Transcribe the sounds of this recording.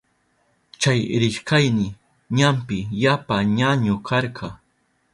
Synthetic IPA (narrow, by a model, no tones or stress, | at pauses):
t͡ʃajɾɪʃkajnɪ | ɲampɪjapaɲaɲʊkʰɑɾɢʰɑ